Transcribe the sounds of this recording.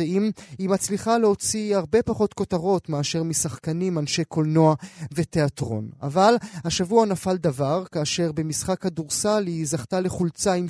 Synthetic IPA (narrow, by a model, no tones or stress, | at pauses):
imhimat͡sliχaleo̞t͡siaʁbe̞paχo̞t̪ko̞taʁo̞t̪meaʃe̞ʁmisaχkanimanʃe̞kʰo̞lno̞ave̞t̪e̞atʁo̞̰na̰valhaʃavuanafald̪avaʁkaːʃe̞ʁbe̞misχakhaduʁsalizaχtale̞χult͡saim